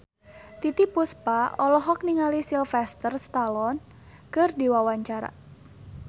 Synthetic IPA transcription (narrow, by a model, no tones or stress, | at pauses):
t̪it̪ipuspaɔlɔɦɔk̚niŋalisilfɛst̪ərst̪alɔn | kɨrdiwawaɲt͡ʃaɾa̰